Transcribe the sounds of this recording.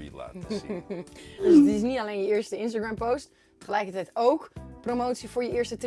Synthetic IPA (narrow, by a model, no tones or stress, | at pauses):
dəsətɪs̬nitɑlejnjəɪːɹstəɪns̬taɡɹɛmpowst | tə̥χəlɛjkəɹtɛjtowkpromowtsivʊːɹjəɪːɹstət